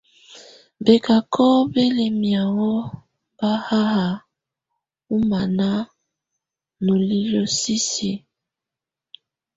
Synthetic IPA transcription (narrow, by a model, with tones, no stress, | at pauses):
be˨ka˨kʰɔ˦be˦le˨mi˨a˨wɔ˦ | ba˦ha˦ɦa˨ | u˦ma˨na˦ | no˨li˦lo˦si˦si˨